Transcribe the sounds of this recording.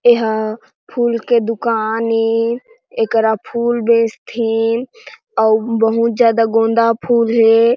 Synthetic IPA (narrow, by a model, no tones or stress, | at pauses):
eɦ | pʰuːlked̪ʊkani | ekəɾapʰuːlbẽːst̪ʰi | ɔbəɦũt̪d͡ʒjaːd̪aɡõːnd̪apʰuːlɦe